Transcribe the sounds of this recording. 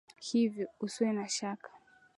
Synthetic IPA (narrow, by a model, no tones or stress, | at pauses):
hivjɔusiwɛnaʃakḁ